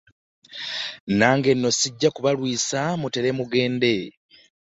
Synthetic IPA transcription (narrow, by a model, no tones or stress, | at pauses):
naːŋɡe̞nːo̞siɟːakuβalwiːsamute̞ɾemuɡe̞ːnde̞